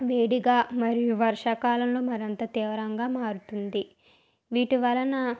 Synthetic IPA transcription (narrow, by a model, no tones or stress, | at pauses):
ʋeːɽiɡaːmɐɾijuʋɐɾʂɐkaːlɐmlo̞ːmɐɾɐnt̪ɐt̪iːʋɐɾɐŋɡaːmaːɾut̪und̪i | ʋiːʈiʋɐlːɐnɐ